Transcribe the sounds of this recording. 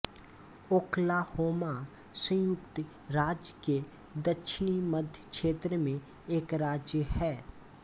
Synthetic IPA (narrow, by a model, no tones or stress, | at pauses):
oːkʰlahoːma | sə̃jʊkt̪ | ɾaːd͡ʒke | d̪əkʃʰɪniməd̪ʱjəkʃeːt̪ɾəmẽ | eːkɾaːd͡ʒjəhɛː